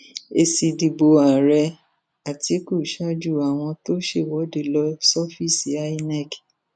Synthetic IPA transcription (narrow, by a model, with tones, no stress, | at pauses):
e˧si˧di˧bo˧a˨ɾɛ˧ | a˨ti˨˦ku˦˨ʃa˦d͡ʒu˦˨a˨w̃ɔ̃˧to˦ʃe˦˨wɔ˨˦de˦˨lɔ˧˦sɔ˦fi˦˨si˨˦a˦i˦nɛ˦˨k